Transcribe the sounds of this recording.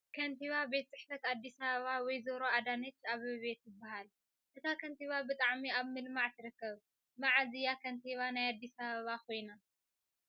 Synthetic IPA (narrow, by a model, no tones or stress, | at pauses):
kʰɐnt̪ʰiβabe̞t̪̚t͡sʼɨħfɐt̪ad̪ːisɐβɐβawɔjzɐɾoad̪anɐt͡ʃːaβɨβe̞t̪jɨbːahal | ʔɨt̪ʰakʰɐnt̪iβabɨt̪ʼaʕmiaβmɨlmaʕt̪ʰɨɾɨkːɐβ | maʕazijakʰɐnt̪ʰiβanajad̪ːisɐβɐβakʰo̞jna